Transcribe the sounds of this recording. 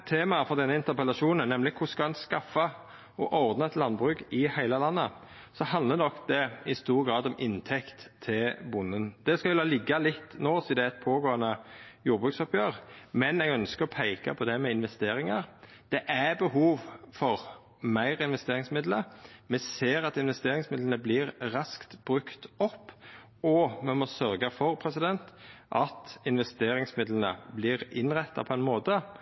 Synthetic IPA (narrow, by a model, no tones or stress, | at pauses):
t̪ʰeːmɑfɔʁd̪ɛnːəɪnt̪əʁpəlɑʃuːnənɛmlɪkʰʊskɑɛnskɑfːɑ | ɔʔɔʁd̪nəɛt̪lɑnbʁʉːkɪhæɪləlɑnːə | sɔhɑnd̪lənɔkːd̪ɛɪst̪uːʁɡɾɑːd̪ɔmʔɪnt̪ʰɛkt̪ʰːɪlbʊnːənd̪̥ɛskɑllːɑlɪɡːɑlɪt̪ːnoːsɔd̪ɛɛt̪̚pʰoːɡoːənəjuːɾbʁʉːksɔpjøːʁmɛnɛɡœnskəɾɔpʰæɪkɑ̰pʰɔd̪ɛmɛɪnʋɛst̪eːɾɪŋɑɾ | d̪̥ɛʔæbəɦuːʋfɔɾ | mæɪʁɪnʋɛst̪eːɾɪŋsmɪd̪ləmɛseːɾɑt̪ɪnʋɛst̪eːɾɪŋsmɪd̪lən̩əblɪɾʁɑskt̪b̥ɾʉkt̪ɔpː | ɔmɛmɔsœɾɡəfɔɾpʰɾɛsɪd̪ɛnt̪ʔɑt̪ɪnʋɛst̪eːɾɪŋsmɪd̪lənə̰blɪʁɪnʁɛt̪ːɑ̰pʰɔɛnmoːt̪ə